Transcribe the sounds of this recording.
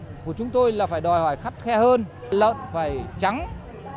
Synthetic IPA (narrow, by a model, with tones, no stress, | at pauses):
ku˧˩ət͡ɕʊ˨˦ŋ͡mt̪o˧jlaː˨˩faː˧˩jɗɔ˨˩jhɔː˧˩jxa˦˥t̚xɛ˧həː˧n˩ | lə̰˧˨nfaː˧˩jt͡ɕa˨˦ŋ